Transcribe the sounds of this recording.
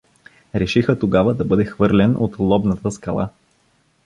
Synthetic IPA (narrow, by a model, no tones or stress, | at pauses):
ɾɛʃixət̪oɡavəd̪ɐbɤd̪ɛxvɤɾlɛno̰t̪lˠɔbnət̪əskɐlˠa̰